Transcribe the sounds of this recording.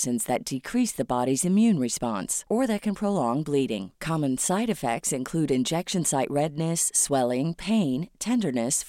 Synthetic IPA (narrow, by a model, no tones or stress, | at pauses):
sɨ̃nzðɨt̚d̥ɨkʰɹ̥isðɨbɑɾizɨ̃mjʉ̃nɹɨspɑ̰̃nsə˞ðɨt̚kʰɨ̃npʰɹ̥oʊlɔ̃ŋbliɾɪ̰̃ŋkʰɑmɨ̃nsaɪɾɨfɛ̰k̚tsɨ̃nkʰl̥ʉɾɨ̃nd͡ʒɛkʃɨ̃nsaɪʔɹɛdⁿnɨsːwɛlˠɪ̃ŋpʰẽɪ̃ntʰɛ̃ndə˞nɨs